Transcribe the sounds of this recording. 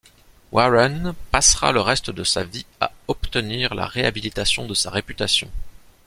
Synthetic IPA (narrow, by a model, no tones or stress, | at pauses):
waʁanpasχa̰ləʁɛst̪əd̪əsa̰via̰ɔpt̪əniʁla̰ʁeabilit̪asjɔ̃d̪əsaʁepyt̪asjɔ̃